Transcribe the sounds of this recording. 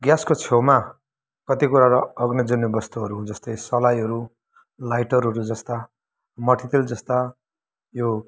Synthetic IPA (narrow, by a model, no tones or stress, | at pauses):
ɡjaskot͡sʰewma | kʌt̪ikuɾaɾʌʌɡnʌd͡zunːibʌst̪uɦʌɾuɦũd͡zʌst̪ʌjsʌlajɦʌɾu | lajʈʌɾɦʌɾud͡zʌst̪a | mʌʈʰit̪ild͡zʌst̪a | jo